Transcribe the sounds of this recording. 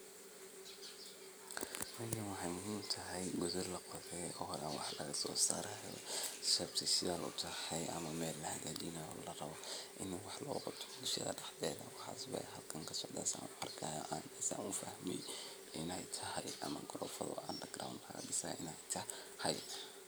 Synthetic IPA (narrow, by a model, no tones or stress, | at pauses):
mɐkʰɪnwɑħɑjmʊɦiːmt̪ʰɐɦɛjɡʊðɔlɐqɔðɛjɔːhlɐwɑħlɐɣɐsɔːsa̰ːɾɐɔsɛbt̪ʰɪsɪðaːnʔʊ̰t̪ʰɐhɛjʔɐ̰mɐmɛːlːɐhɐlɐd̪iːnɐjɔ̰lɐrɐβɔʔɪnwɑħlɔːɣɔt̪ʰd̪ʊʃɐ̰ðɐ̰ɖɑħðɛːðɐ̰wɑħɑ̰ːsbɐ̰ɦɐlkʰɐŋkʰɐsɔʕd̪a̰ːsa̰ːnʊɐrkʰɐjʔaːnɐsa̰ːnʊfɐhmɛ̰j | ʔɪnɛjt̪ʰɐɦɐjʔɐ̰mɐɡɔɾɔːfɐðɔ̰ad̪ɐɡɾa̰wnkʰɐɣɐ̰ɖɪsa̰ːʔɪnɛjt̪ʰɐ | hɐj